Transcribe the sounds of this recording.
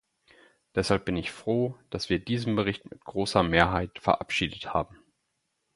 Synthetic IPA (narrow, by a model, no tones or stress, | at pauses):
d̥ɛshalp̚b̥ɪnɪçfʁ̥oːd̥asv̥iːɐdiːzm̩bəʁ̞ɪçtmɪtɡ̥ʁoːsɐmeːɐɦaɪtfɛɐʔapʃiːdətha̰ːbm̩